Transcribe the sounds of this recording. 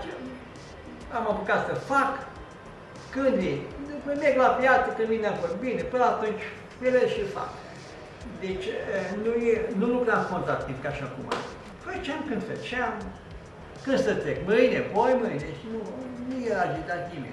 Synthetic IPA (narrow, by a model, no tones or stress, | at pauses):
t͡ʃ | amapukat̪səfak | kɨnd̪jejpəmeɡlapjat̪səkɨnd̪mineamfot̪binepɨnat̪unʲt͡ʃʲ | eleʃilfa̰k | d̪et͡ʃʲənujenulukɾamkont̪at̪ːĩmp̚kaʃiakuma̰ | fət͡ʃeamkɨnd̪fə̰t͡ʃeam | kɨnst̪ət̪ekmɨjnepojmɨjneʃnunujeɾad͡ʒit̪at̪nimḛ